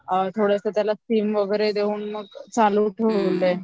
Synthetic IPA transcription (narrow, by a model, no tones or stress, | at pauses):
t̪ʰoɽest̪ət̪jalasʈiːmʋəɡəɾed̪euːnməɡ̚t͡saluʈʰəlːe